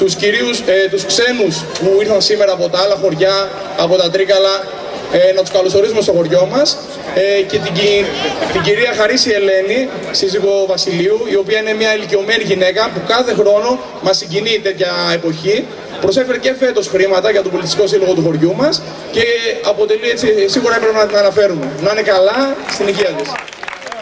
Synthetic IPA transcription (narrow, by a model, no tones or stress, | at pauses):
t̪usciɾiust̪uskse̞nuspuiɾθɐnsime̞ɾɐːpo̞t̪ɐɐlɐxo̞ɾʝɐː | po̞t̪ɐt̪ɾikɐlɐ | nɐt̪u̥skɐloso̞ɾisumest̪o̞xo̞ɾʝo̞mɐs | ce̞t̪i | t̪iɟiɾiɐxɐɾisie̞le̞ni | siziɣo̞vɐsiliuio̞piɐine̞mɲɐilicio̞me̞niʝine̞kɐpukɐθe̞xɾo̞no̞ | mɐsːiɲɟinit̪e̞t̪çɐe̞po̞çi | pɾo̞se̞feɾece̞fe̞t̪o̞sxɾimɐt̪ɐʝɐt̪obo̞lit̪st̪ikosilo̞ɣo̞t̪uxo̞ɾʝumɐs | ce̞ɐpo̞t̪e̞lie̞t͡sisiɣuɾɐepɾepnɐt̪inɐnɐfe̞ɾume̞nɐnekɐlɐst̪iniʝiɐt̪is